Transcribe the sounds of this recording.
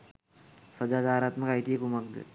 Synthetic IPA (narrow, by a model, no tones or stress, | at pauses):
səd͡ʒad͡ʒaɾat̪məkait̪iekumak̚d̪ḛ